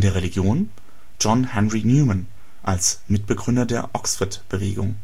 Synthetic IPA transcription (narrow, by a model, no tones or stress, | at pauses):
ndeːɐʁeliɡjoːn | d͡ʒɔnhɛnʁinjuːman | ʔalsmɪt̚b̥əɡʁʏndɐdeːɐʔɔksfʊtb̥əveːɡʊŋ